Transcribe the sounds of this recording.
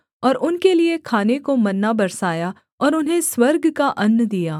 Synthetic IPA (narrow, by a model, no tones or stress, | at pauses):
ɔːɾʊnkeliekʰaːnekomɐnːabɐɾsaːja | ɔːɾʊnɦẽswɐɾɡkaʔɐnːd̪ijaː